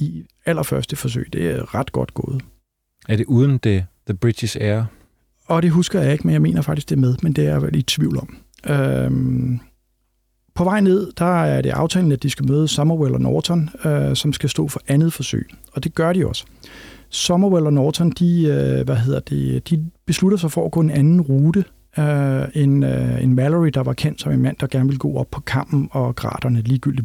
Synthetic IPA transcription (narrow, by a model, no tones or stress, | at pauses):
i | æl̰ɐfɶɐsd̥əfɒ̽s̬ø̰ɪd̥e̝æʁɑ̈d̥ɡ̥ɒ̽d̥ɡ̥ɔ̰̽ːð̩ˠ | æɐde̝ʔuːð̞ˠən̩d̥e̝ðəb̥ʁi̥isæɐ | ɒ̽ɾ̥e̝ɦusɡ̥ɐjɑe̝ɡ̥menjɑ̈ɪme̝̰ːnɐfɡ̥̚isɡ̥d̥e̝ɐmeð̞ˠmend̥e̝æɐelid̥̚t͡sʰʋiʊlɒ̽m̰ | ø | pʰɒ̽ʋɑ̈ɪne̝ð̞̰ˠd̥ɑ̈æɐɾ̥e̝ʔɑ̈ʊt͡sʰɛ̰ːln̩æd̥isɡ̥æmøːð̞ˠəsɒ̽mɐwelɐnɒ̰ːt͡sʰɒnøsɒ̽msɡ̥æsd̥ɔ̰̽ːfɒ̽ʔænð̞̩ˠfɒ̽sø̰ɪ̰ɒ̽d̥e̝ɡ̥ɶɐɾ̥iɒ̽sə̥ | sɒ̽mɐwelɒnɒːt͡sʰɒ̽nd̥iøʋæɦe̝ð̰ˠɐd̥e̝d̥ib̥e̝sluɾɐs̬ɑ̈ɪfɒæɡ̥ɔ̰ːe̝nænn̩ʁuːɾ̥ə | øe̝nenmæləʁid̥ɑ̈ʋɑ̈kʰen̰d̥sɒ̽me̝nmæn̰d̥ɑ̈ɡ̥æɐnʋe̝ləɡ̥ɔ̰ːɒ̽b̥pʰɒ̽kʰɑ̈m̰b̥n̩ɒ̽ɡ̥ʁɑ̰̈ːd̥ɐnəliːɡ̥yl̰d̥i